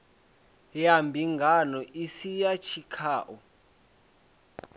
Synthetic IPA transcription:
jambʱiŋɡʱanɔʔisijat͡ʃʰikʰaːʔɔ

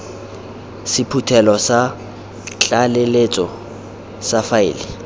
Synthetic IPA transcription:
sɪpʰutʰɛlɔsa | t͡ɬʼalelet͡sʼɔ | safaɪ̰ːlɪ

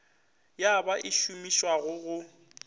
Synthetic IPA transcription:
jabaʔɪʃumiʃwaɣʊɣʊ

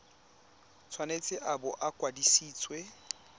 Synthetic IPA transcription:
t͡sʰwanet͡sʼɪʔabɔʔakʼwadisiːt͡sʼwɛ

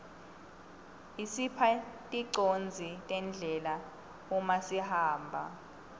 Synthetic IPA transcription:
isipʰatʼiǀond͡zʱitʼɛnd͡ɮʱɛla | umasihaːmbʱa̰

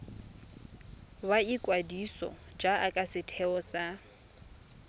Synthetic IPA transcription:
baikʼwadisɔ̰d͡ʒaakʼasɪtʰɛɔsa

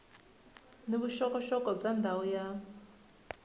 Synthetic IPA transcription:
niβuʃɔkɔʃɔkɔb͡ʐand̪aɔja

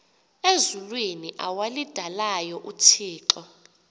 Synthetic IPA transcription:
ezulwiniʔawalid̥ʱalajɔʔutʰiːǁɔ

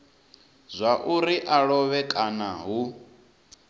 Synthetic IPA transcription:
zʷaʔuɾiʔaɺɔβɛkʼanaɦu

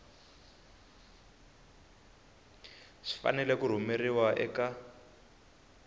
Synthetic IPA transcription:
ʂi̥fa̰nɛlɛkuɾ̤umeriwaʔɛka

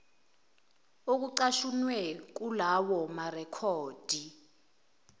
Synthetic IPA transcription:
ok̬uǀaʃunwɛk̬ulawɔmarɛkʰɔːd̥ʱi

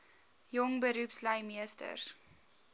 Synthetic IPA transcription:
jɔŋbəɾupsləjmiəstə̰rs

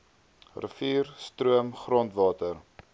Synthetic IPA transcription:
rə̰fiːrstɾuəmχrɔntvɑːtər

